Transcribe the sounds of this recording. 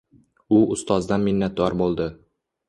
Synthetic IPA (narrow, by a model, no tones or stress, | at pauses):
ʊʊst̪ʰɒzd̪anmɪnːat̪̚d̪ɒɾbolˠd̪ɪ